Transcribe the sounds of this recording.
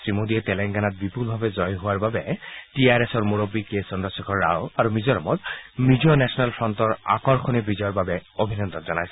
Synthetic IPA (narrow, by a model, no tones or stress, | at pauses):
sɹimodiɛtɛlɛŋɡanat̪̚bipulbʱabɛzɔjɦʊwaɹbabɛtiaɹɛsɔɹmuɹobikesɔndɔsikʰɔɹːa̰woaɹumizɔɹɔmɔt̪midiɔnɛsʰɔnalpʰɹɔntɔɹa̰kɔɹkʰɔnebizɔjɔɹbabɛobʱinɔnd̪ɔnzɔnajsɛ